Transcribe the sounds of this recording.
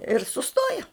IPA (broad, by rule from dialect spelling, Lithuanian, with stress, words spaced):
ɪr sʊˈstoːjɛ